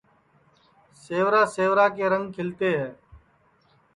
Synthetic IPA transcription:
seːʋɾaːseːʋɾaːkeːɾəŋɡkʰɪlt̪eːɦɛː

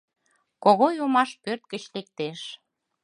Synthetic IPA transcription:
koɣojomɑʃpørt̪̚kət͡ɕlek̚t̪eʃ

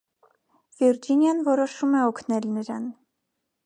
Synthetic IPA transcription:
viɾd͡ʒinjɑnvɔɾɔʃumɛɔkʰnɛlnəɾɑn

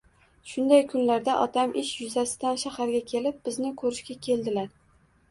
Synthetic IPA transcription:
ʃʊnd̪ajkʰʊnlaɾd̪aʔɒ̰t̪ʰamʔɪʃjʊzasɪd̪anʃahaɾɡʲakʲʰe̞lɪp̚b̥ɪznɪkʰɵɾɪʃkʲakʲʰe̞ld̪ɪlaɾ

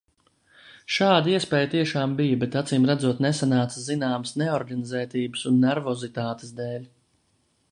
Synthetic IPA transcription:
ʃaːd̪aiɛspɛːjt̪iɛʃaːmbijəbɛt̪at̪siːmɾad̪zuɔt̪nesanaːt̪szinaːməsnɛɔɾɡanizɛːt̪iːbɨsunːɛɾvɔzit̪aːt̪e̥sd̪ɛːlʲ

